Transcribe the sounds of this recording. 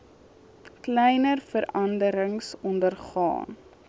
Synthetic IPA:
klɛjnərfəɾɐndəɾəŋsɔndərχɑ̰ːn

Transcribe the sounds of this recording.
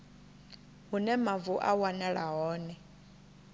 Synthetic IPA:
ɦunɛmavuʔawanɛɺaɦɔːnɛ

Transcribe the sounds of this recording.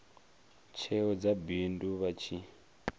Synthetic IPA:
t͡ʃʰɛɔd͡zabinduβat͡ʃʰi

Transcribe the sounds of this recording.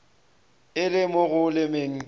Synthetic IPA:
ɪlɪmoɣʊlɪmeŋ̩

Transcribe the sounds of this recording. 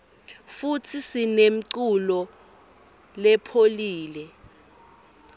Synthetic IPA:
futʰisinem̩ǀulɔ | lɛpʰoliːlɛ

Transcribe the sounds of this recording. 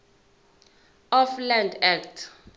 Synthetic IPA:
ɔflandɛktʰ

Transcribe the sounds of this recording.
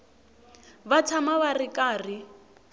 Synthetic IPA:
βat͡sʰamaβarikʼaːri

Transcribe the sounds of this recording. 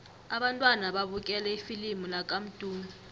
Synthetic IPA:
aɓantʼwanaɓaɓuk̬ʼɛlɛifilimulak̬ʼam̩d̥ʱʼuːmi

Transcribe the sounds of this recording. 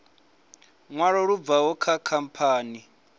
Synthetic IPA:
ŋwaɺɔɺub̪vawɔkʰakʰampʰaːni

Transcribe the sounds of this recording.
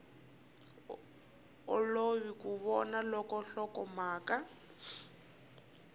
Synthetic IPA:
ʊloβikuβɔnalɔkɔɬɔkɔmaːka

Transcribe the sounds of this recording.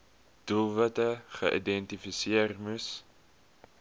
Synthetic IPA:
d̥ulˠvətəχə̰ʔḭdɛntifisiərmus

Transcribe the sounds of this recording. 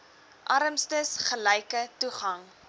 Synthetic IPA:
ʔɐɾəmstəsχəlɛjkətuχɐŋ

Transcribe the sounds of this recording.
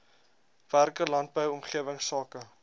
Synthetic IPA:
værkəlɐnt̚bəwɔmχiəvəŋsɑːkə

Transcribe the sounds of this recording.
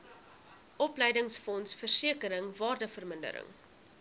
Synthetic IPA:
ʔɔpləjdəŋsfɔnsfərsiəkəɾəŋvɑːrdəfərməndə̰ɾə̰ŋ

